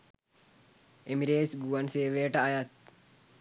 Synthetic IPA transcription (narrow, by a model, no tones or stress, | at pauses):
emiɾeːsɡuʋanseːʋejəʈəajat̪̚